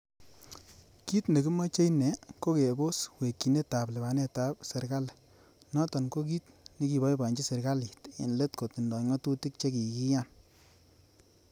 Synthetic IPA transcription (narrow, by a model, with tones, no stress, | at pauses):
ki˦tne˨ki˦mɔ˦t͡ʃe˦jnɛ˨ko˦ke˨bo˦swe˨kːi˨ne˦ta˨plɛ˨ba˨nɛ˦ta˨˦p̚se˨ɾka˦l | nɔ˦tɔ˨nko˦k̬i˦t̚ni˦ki˨bɔ˦jba˨ɲd͡ʒi˦se˨ɾka˦li˨tḛ˨nle˦tko˨ti˨ndɔ˨ŋɔ˦tu˦ti˦k̚t͡ʃe˦ki˨ki˦ja˦n